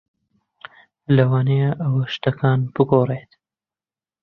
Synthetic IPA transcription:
lɐwɑːneʔɐwɐʃt̪ɐkʰɑːnbɨɡoːreːt̪

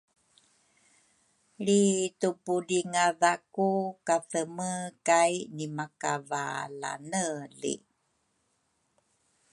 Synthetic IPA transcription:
ɭitupudiŋaðakukaθəməkajnimakavala̰nəlḭ

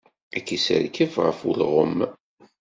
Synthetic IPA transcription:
ækːisə̰ɾkəfʁə̰fʊlʁəmː

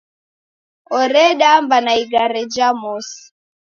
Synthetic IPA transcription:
ɔɾɛɗambanaiɡaɾɛd͡ʒamɔsi̥

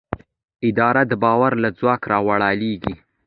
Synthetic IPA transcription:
ɪd̪ɑɾad̪əbɑwaɾlad͡zwɑkɾɑwaɽɑleɡi

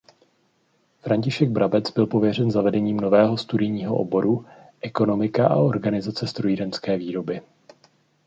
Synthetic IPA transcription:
fɾaɲcɪʃɛɡ̚bɾabɛt͡sbɪlpo̞vjɛr̝ɛnzavɛdɛɲiːmno̞vɛːɦo̞st̪udɪjɲiːɦo̞̰ʔo̰bo̞ɾu | ʔɛko̞no̞mɪkaʔa̰o̞ɾɡanɪzat͡sɛst̪ɾojidɛnskɛːviːɾo̞bɪ

